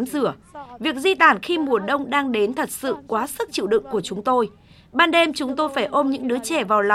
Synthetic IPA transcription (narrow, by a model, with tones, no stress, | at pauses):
mzɨ˧˩əvi˨˩ək̚zi˧t̪aː˧˩nxi˧mu˨˩əɗə˧wŋ͡mɗaː˧ŋɗe˨˦nt̪ʰə˨˩t̚sɨ̰˧˨kwaː˨˦sɨ˦˥k̚t͡ɕḭ˧˨wɗɨ̰˧˨ŋku˧˩ət͡ɕʊ˨˦ŋ͡mt̪o˧j | ɓaː˧nɗe˧mt͡ɕʊ˨˦ŋ͡mt̪o˧jfaː˧˩jʔo˧mɲɨ̰˧˥ŋɗɨ˨˦ət͡ɕɛ˧˩vaː˨˩wl